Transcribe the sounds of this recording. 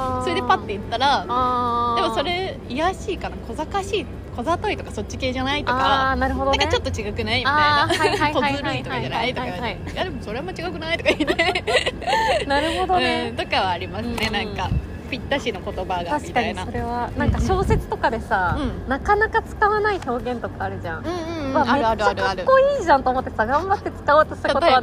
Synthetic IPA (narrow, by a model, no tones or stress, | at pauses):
soɾed̪e̞pat̪ːe̞it̪ːaɾaadd̪e̞mo̞dso̞ɾe̞ | ijaɕiːkanakʰo̞zakaɕiː | kʰo̞zat̪o̞it̪o̞kaso̞t͡ɕːi̥ke̞ːʑanait̪oakanaɾɯ̟ɦo̞d̪oankat͡ɕo̞t̪ːo̞t͡ɕiɡakɯ̟naimʲaiaaiaaat̪oaɾɯit̪okad͡ʑanait̪okaiaa | jad̪e̞mo̞so̞ɾe̞mot͡ɕiɡakɯ̟nait̪o̞kait̪e | naɾɯ̟ɦo̞d̪o̞ne̞t̪o̞kaβaːɾʲimasɨne̞nãŋka | pʲit̪ːaɕino̞ko̞t̪o̞baɡaaɕi̥i̥kaɲɲ̟nsoɾe̞βanãŋkaɕo̞ːse̞t͡sɨ̥t̪o̞kad̪e̞saɯ̃nakanakat͡sɨ̥kaβanaiço̞ːɡẽ̞nt̪o̞kaːɾɯ̟ʑã̰ŋ̃ɯ̃βameɯɾt͡ɕaɾɯko̞iːʑãnt̪oːmo̞t̪ːe̞saɡãmbat̪ːe̞t͡sɨ̥kaoːt̪ːoɕi̥t̪akot̪oβa